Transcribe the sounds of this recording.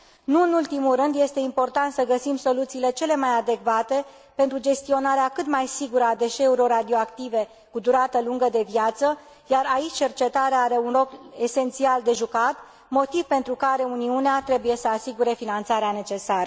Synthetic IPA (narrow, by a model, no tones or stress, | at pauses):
nuɨnult̪imulrɨnd̪je̞st̪e̞impo̞rt̪ant̪səɡəsimso̞lut̪siːle̞t͡ʃe̞le̞majad̪e̞kvat̪e̞ | pe̞nt̪ɾud͡ʒe̞st̪io̞naɾeakɨt̪majsiɡuɾəad̪e̞ʃe̞uɾio̞rad̪io̞akt̪ive̞ | kud̪uɾat̪əluŋɡəd̪e̞vijat̪sə | jaɾait͡ʃʲt͡ʃe̞rt͡ʃe̞t̪aɾeaaɾe̞unlo̞ke̞se̞nt̪siald̪e̞ʒukat̪ | mo̞t̪ivpe̞nt̪ɾukaɾe̞uniuneat̪ɾe̞buje̞səasiɡuɾe̞finant̪saɾeane̞t͡ʃe̞saɾə